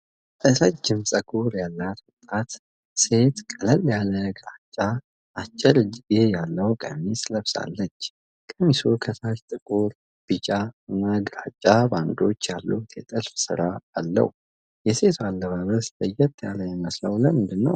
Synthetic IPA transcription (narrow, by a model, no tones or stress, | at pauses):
ʔəsad͡ʒɪmsʼəɡʼuɾjalːat̪wʊt̪ʼːat̪ | se̞t̪kʼələlːjaləɡɾat͡ʃʼːa | at͡ʃʼːɛɾɨd͡ʒejalːəwkʼə̰mːisləβsa̰lːət͡ʃː | kʼəmːisukʰəsat͡ʃt̪ʼɨkʼuɾ | b̥ɨt͡ʃʼaɨnːaɡɾat͡ʃʼːaband̪o̞t͡ʃːjalːut̪jɛt̪ʼɨlfsɨ̰ɾaːlːə̰h | jɛse̞t̪ʰualːəβaβəsləjɛt̪ʰːjaləjɛməsləwləmɨnd̪ɨnːə̰w